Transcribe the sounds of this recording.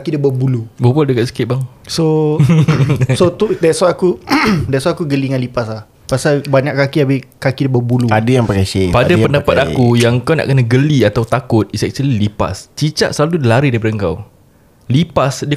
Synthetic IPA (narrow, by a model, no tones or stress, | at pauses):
kidabəbulubəbualdəkat̪̚si̥kɪt̪̚baŋso | sot̪udaswaakudɛswaakuɡəliŋanlipaslah | pasalbaɲaʔkːakiabɪkakidəbəbuluadajaŋpakasepadapəndapat̪̚akujaŋkawna̰ʔkənãɡəliat̪awt̪akʊt̪̚isɛk̚t͡ʃəlilipa̰st͡ʃit͡ʃa̰ʔ̪səlaludəlaɾidaipadəəŋka̰w | lipasdə